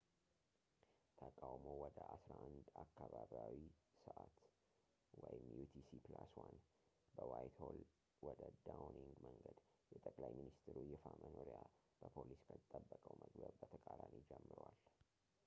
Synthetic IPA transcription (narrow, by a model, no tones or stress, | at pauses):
t̪ʰəkʼawmowɔd̪əʔasɾaʔand̪akːaβaβjawisəʔat̪ | wɔjɪmjut̪ʰisiplaswan | bəwajt̪hol | wɔd̪əd̪awniŋɡməŋɡəd̪ | jɛt̪ʼəkʼlajminist̪ʰɾujɛfamʔənoɾija | b̥əpʰoliskʰət̪ʼːəbːəkʼəwmʔəɡbəbbət̪ʰəkʼaɾanid͡ʒɛmːɨɾwal